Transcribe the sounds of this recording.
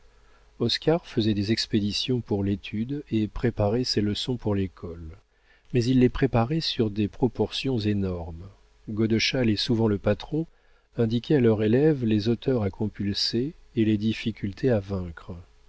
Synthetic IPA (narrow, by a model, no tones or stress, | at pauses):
ɔskaʁfəzɛd̪ezɛksped̪isjɔ̃puʁlet̪ʰyd̪epχepaʁɛseləsɔ̃puʁlekʰɔl | mɛzilːepχepaʁɛsyʁd̪epχɔpɔʁsjɔ̃zenɔʁm | ɡod̪əʃalesuvɑ̃ləpat̪χɔ̃ | ɛ̃d̪ikʲʰɛalœʁelɛvlezot̪œʁakʰɔ̃pylseːled̪ifikʲylt̪ʰeavɛ̃kχ